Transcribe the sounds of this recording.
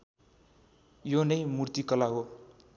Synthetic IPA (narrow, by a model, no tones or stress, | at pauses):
jonʌjmurt̪ikʌlaɦo